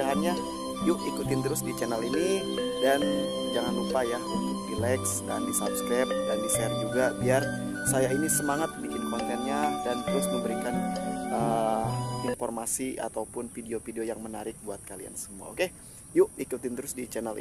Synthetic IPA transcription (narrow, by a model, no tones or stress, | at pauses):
aɦarɲa | jʊkikut̪ɪnt̪əɾʊsdit͡ʃɛnɛlini | dan | d͡ʒaŋanlupaja | it̪dilɛksda̰ndisap̚skɾɛp̚dandisɛrd͡ʒuɡabiar | sajainisəmaŋat̪̚bikɪnkɔnt̪ɛnɲadant̪əɾʊsməmbəɾikanə | infɔrmasia̰t̪awupʊnfideofideojaŋmənaɾɪk̚buat̪̚kalia̰nsəmua̰oke | jʊikut̪ɪnt̪əɾʊsdit͡ʃɛnɛlḭ